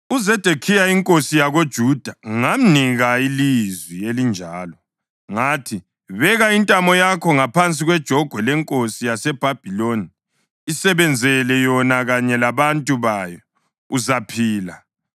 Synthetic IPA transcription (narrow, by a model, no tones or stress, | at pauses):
uzɛd̥ʱekʰijaiŋkʼosijaɣod̥ʒ̥ʱud̥ʱaŋam̩niɣailizwielind͡ʒʱaːlɔ | ŋatʰi | βɛɣaintʼamɔjakʰɔŋapʰant͡sʼiɣwɛd̥ʒ̥ʱɔɡ̥ʱwɛlɛŋkʼosijasɛb̥ʱab̥ʱiloniː | sɛβɛnd͡zʱɛlɛjɔnaɣaɲɛlaβantʼuβaːjɔ | uzapʰiːla